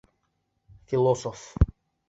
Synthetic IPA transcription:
filɔsɔf

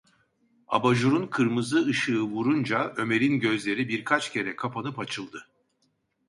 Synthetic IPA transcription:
a̰baʒuɾunkʰɯɾmɯzɯɯʃɯːvuɾund͡ʒaø̞me̞ɾinɟø̞zlʲe̞ɾibiɾkʰat͡ʃcʰe̞ɾɛkʰapʰanɯpat͡ʃʰɯlˠd̪ɯ

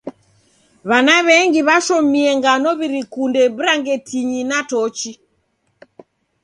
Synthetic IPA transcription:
βanaβɛŋɡiβaʃɔmiɛŋɡanɔβiɾikundɛβ̩ɾaŋɡɛtiɲinatɔt͡ʃi

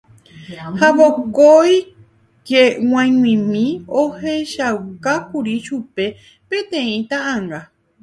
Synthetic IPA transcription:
haβokoj | kew̃ãj̃ŋwĩmĩoheʃawkakuɾiʃupe̞ | pẽ̞t̪ẽ̞ĩt̪ãʔãŋɡa

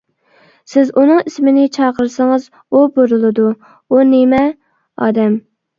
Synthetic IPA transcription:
sɪzunɨŋismɪnɪt͡ʃʰɑːqəɾsɪŋɨz | uboɾɨlˠɨd̪u | unɪmɛ | ɑ̰ːd̪ɛm

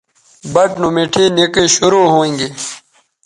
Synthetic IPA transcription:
bɐʈnumeʈʰiːnekiɕuɾuːɦoːĩŋɡi

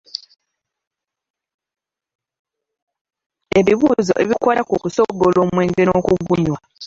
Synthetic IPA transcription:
e̞βiβuːzo̞̰ʔe̞βikolakukuso̞ɡːolo̞ːmwe̞ːŋɡe̞ɾoːkuɡuɲwa

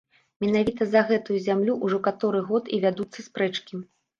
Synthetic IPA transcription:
mʲɛn̪avʲit̪ɐzɐɣɛt̪ujuzʲamlʲuʔuʐɔkat̪ɔɾɨɣɔt̪ivʲad̪ut̪sːɐspɾɛt͡ʂkʲi

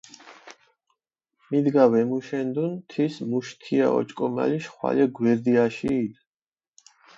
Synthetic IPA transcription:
mid̪ɡawɛmuʃɛnd̪unt̪ʰismuʃt̪ʰia̰ɔ̰t͡ʃʼkʼɔma̰liʃχwa̰lɛɡwɛɾd̪iaʃiːd̪

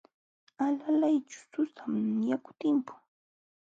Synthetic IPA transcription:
alalajt͡ʃʊ̥sʊsamjakʊ̥t̪ɪmpʊ̥ŋ

